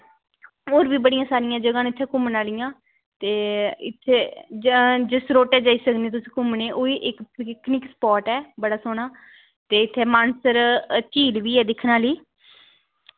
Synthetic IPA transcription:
oːɾbiːbəɽɪjãːsaːɾɪjãːd͡ʒəɡãːnɪt̪ʰːeːkʊmnaːlɪjãː | t̪eːɪt̪ʰːeː | d͡ʒɪsɾoːʈɛːd͡ʒaːiːsəkneːt̪ʊsĩːkʊmneːʔoːiːʔɪkknɪkspɔːɾʈɛːbəɽaːsoːɳaː | t̪eːɪt̪ʰːeːmaːnsəɾt͡ʃiːlʋiːɛːd̪ɪkʰnãːliː

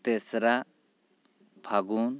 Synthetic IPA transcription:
t̪esɾa | pʰaɡun

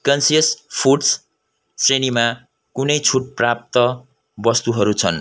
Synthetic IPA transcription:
kʌnsiʌspʰuɖs | srenima | kunʌjt͡sʰuʈ̚prap̚t̪ʌ | bʌst̪uɦʌɾut͡sʰʌn

